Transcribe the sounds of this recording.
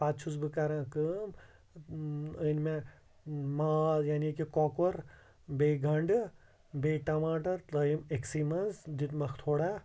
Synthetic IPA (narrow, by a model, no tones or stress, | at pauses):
paːt͡ʃʰusbɨkaɾãːkɨm | ənmẽ | maːjaːnikikɔkɐɾ | beːɡʱɐɳɖ | beːʈɐmaːʈɐɾt̪əjimeksiːmɐnzd̪it̪mɐkʰt̪ʰoːɽa